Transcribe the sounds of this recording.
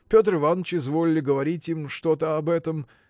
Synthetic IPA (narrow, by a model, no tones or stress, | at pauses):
pʲo̞t̪rɨvanət͡ɕɪzvo̞lʲɪlʲɪɡəvɐɾʲitʲimʂt̪o̞t̪əɐbɛt̪əm